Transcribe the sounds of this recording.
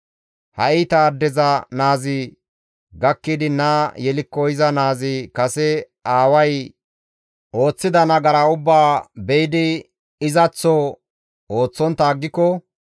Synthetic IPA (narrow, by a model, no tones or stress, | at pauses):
hɐ̰ɪt̪ɐːd̪ːɛzɐnaːzɪ | ɡɐkːɪd̪ɪnaːjɛlɪkːɔɪzɐnaːzɪkɐsɛ | aːwɐj | o̞ːt͡sːɪd̪ɐnɐɡɐɾaʊbːaːbɛjɪd̪ɪ | ɪzɐt͡sːɔ | oːt͡sːɔnt̪aːɡːɪkːɔ